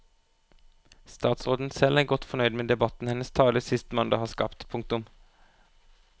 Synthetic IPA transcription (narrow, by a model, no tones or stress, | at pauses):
st̪ɑːt̪sʁoːd̪n̩sɛlæːɡɔt̪fɔnœʏd̪meːd̪ɛbɑt̪n̩hɛnəst̪ʰɑːləsɪst̪mɑnd̪ɑːhɑːskɑ̰pt̪pʰʊŋk̚t̪ʊm